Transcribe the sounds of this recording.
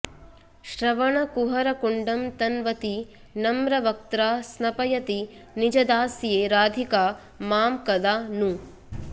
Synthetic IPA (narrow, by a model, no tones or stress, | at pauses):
ʃɾɐʋɐɳɐkuɦɐɾɐkuɳɖɐmt̪ɐnʋɐt̪i | nɐmɾɐʋɐk̚t̪ɾaːsnɐpɐjɐt̪i | nid͡ʒɐd̪aːsjeːɾaːd̪ʱikaː | maːmkɐd̪aːnu